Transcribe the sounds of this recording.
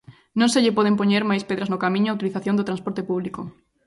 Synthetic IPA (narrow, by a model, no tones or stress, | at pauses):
nõŋseʎɪpoð̞empoɲeɾmajspeðɾaznokamĩɲʊauwt̪iliθaθjond̪ʊt̪ɾanspoɾt̪epuβ̞liko